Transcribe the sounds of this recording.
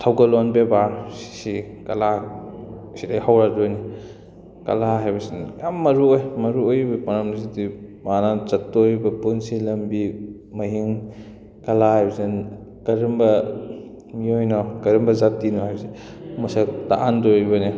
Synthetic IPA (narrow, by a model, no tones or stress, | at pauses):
tʰawɡɐlɔnbebasi̥sikɐla | sidajhawɾadojni | kɐ̰laɦajbɐsinjamːɐɾuojmɐɾuojbɐpɐnɐmzidimanazɐtːoɾbɐpunsilɐmbi | mɐɦiŋ | kɐlahajbɐsin | kɐɾimbɐ | miojnɔkɐɾimbɐzatːinuɦajbɐse | musataʔandojbɐni